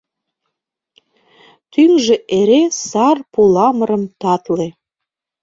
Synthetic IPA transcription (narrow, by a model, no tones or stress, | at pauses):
t̪yŋʒeʔeɾesɑrpulɑməɾə̆mt̪ɑt̪le